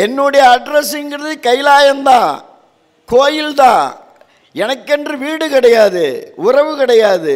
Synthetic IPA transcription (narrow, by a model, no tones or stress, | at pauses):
ɛnːʊɽɐjɐːɖɾɛsɪŋɡɪɾɐðɯkɐɪlaːjɐnd̪ãː | koːjɪlt̪ãː | ɛnɐkːɛndrɯʋiːɽɯkɪɽɐjaːðɯʊrɐʋɯkɪɽɐjaːðɯ